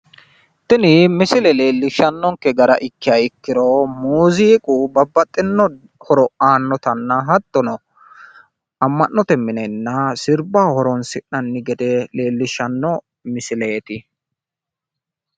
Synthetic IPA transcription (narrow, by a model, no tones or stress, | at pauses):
t̪ɪnɪmɪsɪlɛle̞ːlːɪʃɐnːɔŋkɛɡɐɾɐʔɪkːɪjɐɪkːɪɾɔmuːziːkʼubɐbːɐt̪ʼːɪnːɔ | hɔɾɔʔaːnːɔt̪ɐnːɐɦɐt̪ːɔnɔ | ɐmːɐnːɔt̪ɛmɪnɛnːɐsɪɾbahɔɾɔnsɪʔɐnːɪɡɛd̪ɛle̞ːlːɪʃɐnːɔ | mɪsɪle̞ːt̪ɪ